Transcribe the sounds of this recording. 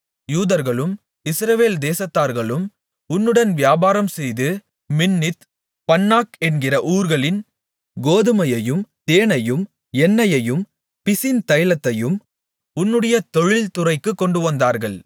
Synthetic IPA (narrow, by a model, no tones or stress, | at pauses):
juːðɐɾɣɐɭɯm | ɪsɾɐʋeːld̪eːsɐt̪ːaːɾɣɐɭɯm | ʊnːɯɽɐnʋjaːbaːɾɐmsɛjðɯ | mɪnːɪt̪ | pɐnːaːkɛnɡɪrɐʔuːɾɣɐɭɪn | ɡoːðɯmɐjɐjɯmt̪eːɳɐjɯm | ɛnːɐjɐjɯm | pɪsɪnt̪ɐjlɐt̪ːɐjɯm | ʊnːɯɽɐjɐt̪ɔɻɪlt̪ʊrɐɪkːɯkːɔɳɖɯʋɐnd̪aːɾɣɐɭ